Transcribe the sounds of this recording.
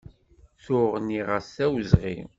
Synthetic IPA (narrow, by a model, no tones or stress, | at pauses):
θʊʁniʁəsæwzʁḭ